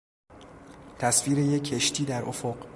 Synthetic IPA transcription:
t̪ʰæsviːɾejekʰːeʃt̪ʰiːd̪æɾʔofoɢ

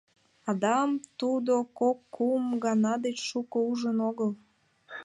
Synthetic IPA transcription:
ɑd̪ɑmt̪ud̪okokːumɡɑnɑd̪et͡ɕʃukouʒənoɣəl

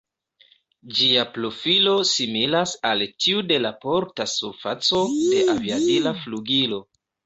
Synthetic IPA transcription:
d͡ʒiaplo̞filo̞similasaltiude̞lapo̞ɾtasuɾfat͡so̞de̞ʔaviatilafluɡilo̞

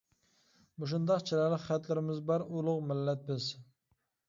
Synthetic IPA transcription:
buʃ̬und̪ɑqt͡ʃʰilælɪkχæt̪lɪɾɪmɪzbɑɾulˠʊqmɪlːɛt̪̚bɪz

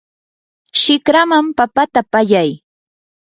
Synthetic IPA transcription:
ʃɪkɾamampapat̪apaʎaj

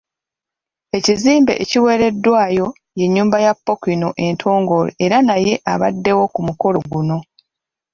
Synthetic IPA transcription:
e̞ciziːmbe̞̰ʔeciwe̞ːɾe̞dːwaːjo̞ | je̞ɲːuːmbajapːo̞kino̞ʔe̞ntʰo̞ːŋɡo̞lḛeɾanaje̞ʔaβa̰dːe̞wo̞kumuko̞lo̞ɡuno̞

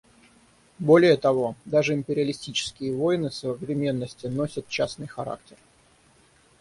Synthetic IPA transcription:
bo̞lʲɪjət̪ɐvo̞d̪aʐɨɪmpʲɪɾʲɪəlʲɪsʲtʲit͡ɕɪ̥skʲɪjəvojnɨsəəvɾʲɪmʲe̞nːəsʲtʲɪno̞sʲət̪̚t͡ɕasnɨjxɐɾa̰k̚tʲɪr

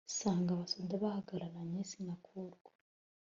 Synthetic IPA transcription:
saːŋɡaβasodaβahaɡaɾaɾaɲesiŋakʰuɾɡwḁ

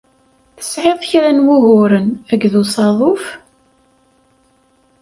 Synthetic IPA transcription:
θə̥sʕeðˤçɾænwuɦʊɾənæɡðusɑðˤʊf

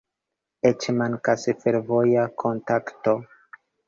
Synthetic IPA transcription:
et͡ʃmankasifeɾvojakʰontakto

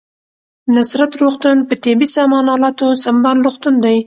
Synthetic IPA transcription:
nasɾat̪ɾuxt̪ʊnpət̪ibisɑmɑnɑlɑt̪osambɑnɾuxt̪ənd̪aj

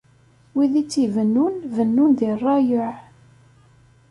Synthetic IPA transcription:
wiðit͡sːivənːunvənːunðirˤːɑjʊʕ

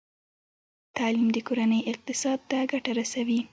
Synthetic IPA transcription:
t̪ɑlimd̪əkoɾanəjɪq̚t̪ɪsɑd̪̚t̪aɡaʈaɾasawi

